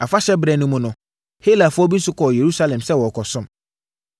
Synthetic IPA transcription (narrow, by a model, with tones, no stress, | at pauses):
a˨fa˦ɕɛ˦bɾɛ˨nʊ̃˦mʊ̃˨nʊ̃˨ | he˦la˨fʊ˦ɔ˦bi˦n˦sʊ˦kʰɔ˨je˨ɾu˦sa˦lɛ̃˨msɛ˦wɔ˨kʰɔ˨sʊ̃˦m